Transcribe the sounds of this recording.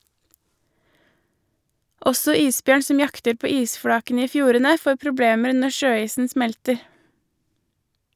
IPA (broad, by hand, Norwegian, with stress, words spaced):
ˈɔsɔ ˈiːsˌbjøːɳ ˈsɔm ˈjɑktəɾ ˈpoː ˈiːsˌfɽɑːkənə ˈiː ˈfjuːɾənə ˈfoː pɾʊˈbleːməɾ ˈnɔ ˈʃøːˌiːsn̩ ˈsmɛltəɾ